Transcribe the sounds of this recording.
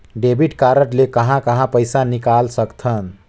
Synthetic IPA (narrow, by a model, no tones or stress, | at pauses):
ɖebʱiʈkaɾəʈlekəɦãkəɦãpəjsanikalsəkt̪ʰən